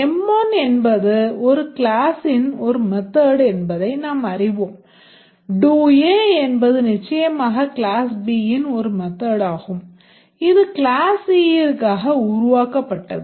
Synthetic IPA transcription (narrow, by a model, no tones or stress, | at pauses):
ɛmːoːnɛnbɐðɯɔɾɯkɪlaːsɪnɔɾɯmɛt̪ːaːɽɛnbɐðɐɪnaːmɐrɪʋoːm | ɖuːjeːɛnbɐðɯnɪt͡ʃːɐjɐmaːɣɐkɪlaːsbiːjɪnɔɾɯmɛt̪ːaːɽaːɣɯm | ɪðɯkɪlaːsiːjɪɾkaːɣɐʊɾʊʋaːkɐpːɐʈːɐðɯ